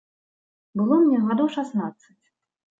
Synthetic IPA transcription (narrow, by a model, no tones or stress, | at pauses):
bɨlˠɔmnʲɛɣad̪ɔwʂasnat̪sːɨt͡sʲ